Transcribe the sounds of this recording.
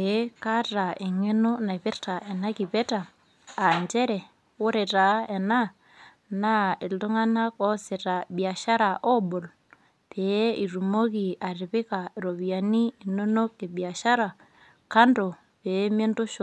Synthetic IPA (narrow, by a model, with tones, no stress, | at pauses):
pe˦ka˦ta˨e˨ŋe˦no˦na˨pi˦ɾta˨ʔe˨na˦ki˨pe˦taː˨ | ɲd͡ʒe˦ɾɛ˨ | wo˦ɾɛ˨ta˨˦e˨na˦ | na˦i˨ldo˦ŋa˦na˦ko˦sɛ˨ta˨bi˨a˨ʃa˦ɾa˨ʔo˦bo˨l | pe˨˦i˨ɾu˨mo˦ki˨a˨ɾi˨pi˦ka˨ɾo˨βi˨ja˨niː˦˨no˦no˦ke˨bi˨a˨ʃa˦ɾa˨ | ka˦ndo˨ | pe˨˦me˦nto˦ʃo˨